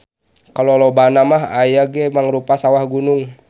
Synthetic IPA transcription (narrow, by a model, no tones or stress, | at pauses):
kalolobanamaɦajaɡɛmaŋɾupasawahɡunuŋ